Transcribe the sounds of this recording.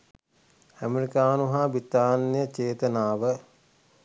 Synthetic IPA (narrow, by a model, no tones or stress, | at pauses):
æmeɾikaːnuɦaːbit̪aːnːijət͡ʃeːt̪ənaːʋə